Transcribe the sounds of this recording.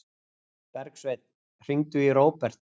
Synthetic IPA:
pɛɾksvejt̪̚n | r̥iŋt̪ʏiɾoːwpɛr̥t̪

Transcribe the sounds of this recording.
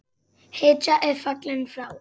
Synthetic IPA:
het͡ʃaʔɛfaklɛ̃nfɾaw

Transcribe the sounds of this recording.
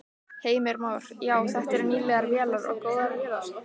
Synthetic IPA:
heːjmɪɾmaːwɾ̥jaːwθɛht̪ɛɾniːlɛɣaɾvjɛːlaɾɔ̰ɣkoːwðaɾvɛða

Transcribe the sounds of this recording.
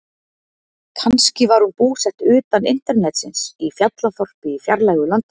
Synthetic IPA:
kʰanscɪvaɾhunpuːsɛht̪ʏːt̪anɪ̰n̥t̪ɛɾnɛt̪sɪnsifjat̪laθɔr̥pɪifjaɾlaːjɣʏlant̪

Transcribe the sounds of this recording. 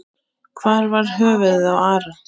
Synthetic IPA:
kʰvaːɾvaɾ̥ɦœːvɪðɪðawaːɾa

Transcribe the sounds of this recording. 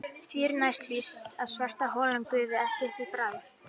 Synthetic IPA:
θiːɾnajst̪vist̪aðsvar̥t̪aɦɔːlankʏːvɪɛhcɛhtipɾaːðθ

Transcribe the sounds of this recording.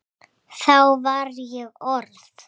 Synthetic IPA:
θawvaɾjɛɣɔɾθ

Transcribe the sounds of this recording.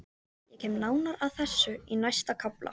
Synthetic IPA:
jɛcʰɛːmnaːwnaɾaðθɛsːʏinajst̪akʰaplʔa̰

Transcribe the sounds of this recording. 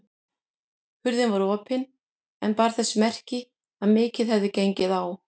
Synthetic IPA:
hʏɾðɪnvaɾɔːpɪn | ɛnpaːɾ̥θɛsːʏmɛr̥cɪ | aðmɪːcɪðhɛvðɪcejɲcɪðaw

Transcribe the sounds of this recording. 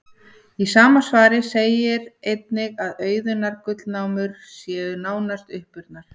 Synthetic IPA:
isaːmasvaːɾɪsejɪɾejt̪nɪɣaðœːɥðʏnaɾkʏt̪lnaːwmʏɾ̥ | sjɛːʏnaːwnast̪ʏhpʏɾt̪naɾ̥

